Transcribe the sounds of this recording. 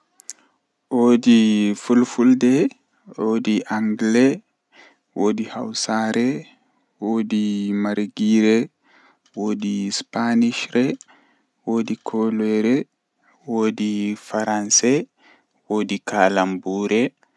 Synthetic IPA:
ʔodifulfuldɛ | oːdiʔaŋɡlɛ | woːdiha̰wsaɾɛ | woːdimaɾɡiɾɛ | wodispaniʃɾɛ | wodikʰɔlɛɾɛ | woːdifaɾansɛ | woːdikʰaːlambuɾɛ

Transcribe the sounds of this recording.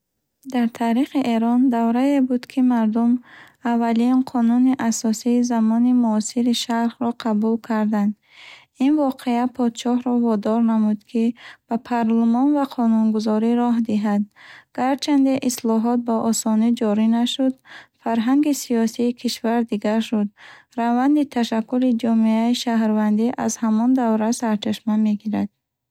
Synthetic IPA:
d̪aɾt̪ʰaɾiχiʔe̞ɾɔnd̪avɾaebud̪kʰimaɾd̪um | avːalinqʰɔnuniʔasɔsiːzamɔnimuɔsiɾiʃaɾhɾɔqʰabulkʰaɾd̪and̪ | invɔqʰe̞apʰɔd̪ʃɔhɾɔvɔd̪ɔɾnamud̪kʰib̥apʰaɾlumɔnvaqʰɔnunɡuzɔɾiɾɔɦd̪iɦad̪ɡ̥aɾt͡ʃʰand̪eʔislɔɦɔt̪̚baʔɔsɔnid͡ʒɔɾinaʃud̪faɾɦaŋɡisiɔsiːkʰiʃvaɾd̪iɡaɾʃud̪̚ | ɾavand̪it̪ʰaʃakːulid͡ʒɔmeaiʃaɦɾvand̪iʔazhamɔnd̪avɾasaɾt͡ʃʰaʃmameɡiɾad̪̚

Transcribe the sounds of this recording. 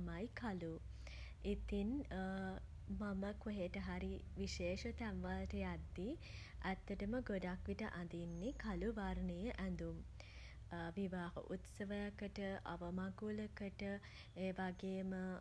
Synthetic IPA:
majkʰalu | it̪in | maməkoɦeʈəɦaɾi | ʋiʃeːʃət̪æʋʋaləʈəjad̪ːiʔæt̪ːəʈəməɡoɖakʋiʈəʔand̪inːekʰaluʋaɾnəjəʔænd̪um | ʋiʋaːɦə̰ʔut̪səʋəjakəʈəʔa̰ʋəmaɡuləkəʈə | eːʋaɡeːmə

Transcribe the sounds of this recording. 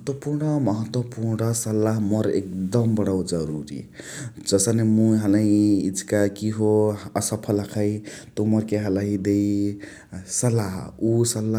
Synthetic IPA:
t̪wʌpurɳʌmʌɦʌt̪wʌpuɾnʌsʌlːaɦmʌɾek̚d̪ʌmbʌɽʌwd͡zʌɾuɾḭd͡zʌsanemuɦalaiid͡zkakiɦoʌsʌpʰʌlakʰajt̪omʌrkeɦalaɦĩd̪ej | sʌlaɦusʌlːa

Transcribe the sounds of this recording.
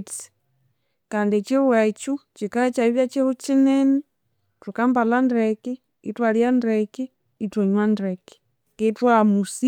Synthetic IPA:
t͡si̥ | kandit͡ʃiuwat͡ʃut͡ʃikaɛt͡ʃaiβjat͡ʃihut͡ʃinɛni | tukambalandɾɛki | itwaljandɾɛkiː | twɔɲwandɾɛki̥ | kitwamusi

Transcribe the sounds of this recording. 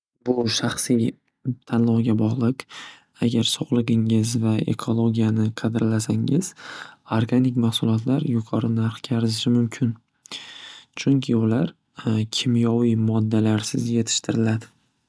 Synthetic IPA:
bʊʃaχsij | t̪ʰanlˠɒʁɡʲabɒʁlˠɪq | aɡʲaɾsoʁlˠɨɡɪŋɪzvae̞̰kʰo̞lˠo̞ɡʲijanɪqʰɑd̪ɪɾlasaŋɪz̥oɾɡanɪkʲmahsʊlˠɒt̪ʰlaɾjʊqʰɒɾɪnaɾχkʲʰaɾɪzɪʃɪmʊmkʲʰɪn | t͡ʃʰʊŋkʲʰɪʊlaɾ | kʲʰɪmjɒwijmɒd̪ːalaɾsɪzje̞t̪ʰɪ̥ʃt̪ʰɪɾɪlad̪ɪ

